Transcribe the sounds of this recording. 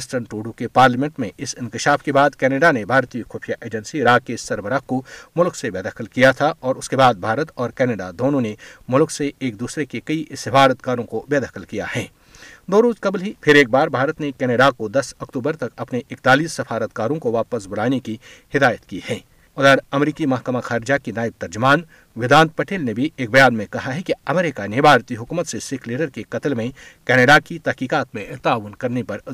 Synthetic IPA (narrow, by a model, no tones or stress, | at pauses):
sʈənʈuːɖukepaːɾləmɛ̃ɳʈmẽʔɪsɪ̃nkɪʃaːfkebaːd̪kɛːneːɖanebʱaːɾt̪iəxuːfijaʔeːd͡ʒə̃nsiɾaːkesɐɾbəɾakomʊlksebeːd̪əxəlkijat̪ʰaʔɔːɾʊskebaːd̪̚bʱaːɾət̪ɔːɾkɛːneːɖad̪oːnõnemʊlkseʔeːk̚d̪uːsɾekekɐiʔsɐfaːɾət̪̚kaːɾõkobeːd̪əxəlkija̰hɛ̃ː | d̪oːɾoːzkɐblɦipʰɪɾeːk̚baːɾbʱaːɾət̪nekɛːneːɖakod̪ɐsɐkt̪uːbəɾt̪ɐkɐpneʔɪkt̪aːliːsːɐfaːɾət̪̚kaːɾõkoʋaːpəs̬bʊlaːnekihɪd̪aːjət̪kihɛː | ʊd̪əɾɐmɾiːkimɐɦkəmaxaːɾɪd͡ʒakinaːɪb̚t̪ɐɾd͡ʒʊmaːn | ʋɪd̪ãːnt̪̚pɐʈʰeːlnebʱieːk̚bɐjaːnmẽkɐɦaɦɛkiɐmɛːɾɪkanebʱaːɾt̪iɦʊkuːmət̪sesɪkʰliːɖəɾkekɐt̪lmẽ | kɛːñeːɖakit̪ɛɦkiːkaːt̪mẽt̪aːʋənkɐɾnepɐɾ